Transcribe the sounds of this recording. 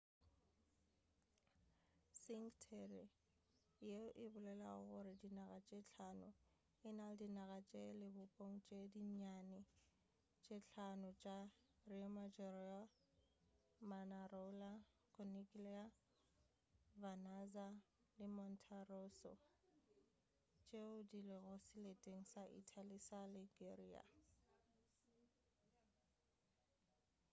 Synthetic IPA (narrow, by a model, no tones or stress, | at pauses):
siŋtʰɛlɪ | jeʔɪbʊlɛla̰ʊ̰ɣʊɾɪdinaɣat͡ʃʼet͡ɬʰanʊ | ɪnaldinaɣat͡ʃʼelɪbʊpʼoŋ̩t͡ʃʼediɲanɪ | t͡ʃʼet͡ɬʰanʊt͡ʃʼa | rimad͡ʒɔɾia | manaɾola | kʰʼɔnikʼilɛa | vanaza | lɪmɔn̩tʰarosɔ̰ | t͡ʃʼeʊdilɪɣɔsɪletʼeŋ̩saʔḭtʰalisalɪɡeria̰